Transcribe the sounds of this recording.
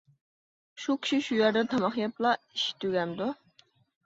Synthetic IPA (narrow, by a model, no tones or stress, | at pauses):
ʃukʲʰi̥ʃiʃujɛɾd̪ɛt̪ʰɑmɑχjɑplˠɑ | iʃi̥t̪ʰøɡʲɛmd̪u